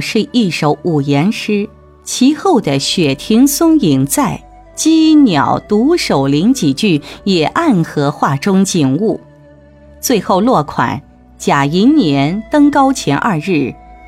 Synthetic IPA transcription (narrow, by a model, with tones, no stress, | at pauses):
ʂɻ̩˥˧i˥˩ʂo˧˥ʊʔu˨˩jɛ˧˥nʂɻ̩˥ | t͡ɕʰi˧˥xo˥˩ʊd̪ə˩ɕɥɛ˨˩t̪ʰi˧˥ŋsʊ˥ŋi˨˩ŋt͡sa˥˩ɪ | t͡ɕi˥njɑ˨˩ʊt̪u˧˥ʂo˨˩ʊli˧˥ŋt͡ɕi˨˩t͡ɕy˥˩jɛ˨˩ʔa˥˩nxɤ˧˥xwa˥˩ʈ͡ʂʊ˥ŋt͡ɕi˨˩ŋu˥˩ | t͡swe˥˧ɪxo˥˧ʊlwɔ˥˩kʰwa̰˨˩˦n | t͡ɕja˨˩i˧˥nnjɛ˧˥nt̪ɤ˥ŋkɑ˥ʊt͡ɕʰjɛ˧˥nʔa˥˧ɻɻ̩˥˩